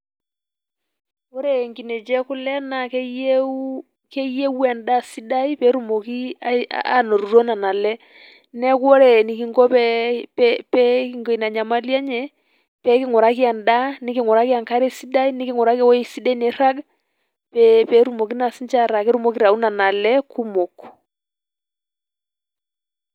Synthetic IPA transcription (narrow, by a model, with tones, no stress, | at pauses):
o˦ɾe˨ŋki˨ne˨d͡ʒɛ˦kʊ˦lɛ˦na˨kɛ˦je˦ | ke˦je˦wɛ˨nda˦si˦da˦i˦pɛ˦ɾu˦˨mo˨ki˦a̰˦a˦no˨ɾu˨ɾo˦na˨na˨lɛ˦ | nɛ˦ko˦ɾe˨ni˨ki˨ŋɡo˦pɛ˦ppɛ˦ki˦ŋɡo˨i˨na˨ɲa˨ma˦ljɛ˦ɲɛ˨ | pɛ˨˦kɪ˦ŋɔ˨ɾa˨˦k̬i˦a˨nda˦ni˦ki˦˨ŋɔ˨ɾa˦ki˦a˨ŋka˦ɾɛ˦si˦da˦i˦ni˦ki˦ŋɔ˨ɾa˦kɛ˦wɔ˦i˨si˦da˦i˦nɛ˨ɾa˦ɡ | pɛpɛ˨˦ɾu˨mo˨ki˦na˨si˦nt͡ʃa˦ɾa˨kɛ˦ɾu˦mo˦ki˦ɾa˨u˦na˨na˨lɛ˦ku˦mo˨k